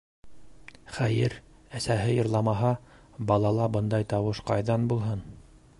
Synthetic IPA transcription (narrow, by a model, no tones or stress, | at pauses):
χæjɘɾ | æsæɦɘjɤ̆ɾlˠɑmɑɦɑ | bɑlˠɑlˠɑbɤnd̪ɑjt̪ɑwɤʃqɑjðɑnbulˠɦɤn